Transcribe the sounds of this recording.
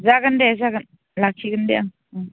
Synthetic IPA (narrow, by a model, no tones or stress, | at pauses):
zakandɛzakan | lakʰikandɛʔaŋ